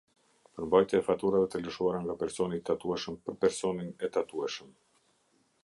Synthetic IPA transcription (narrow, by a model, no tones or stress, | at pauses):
pəɾmbajt̪jɛːfat̪uɾavɛt̪ələʃuaɾaŋɡapɛɾsɔnit̪at̪uɛʃəmpəɾpɛɾsɔninɛt̪at̪uɛʃəm